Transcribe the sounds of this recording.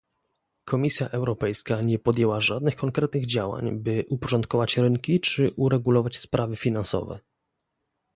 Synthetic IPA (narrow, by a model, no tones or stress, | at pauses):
kʰɔmʲisʲjaʔɛwɾɔpɛjskaɲɛpɔd̪ʲjɛwaʐad̪nɘxkɔŋkɾɛt̪nɘɣd͡ʑawa̰ɲbɘʔupɔʐɔnt̪̚kɔvat͡ɕɾɘŋkʲit͡ʂɘʔuɾɛɡulɔvat͡ɕspɾʔavɘfʲinansɔ̰vɛ̰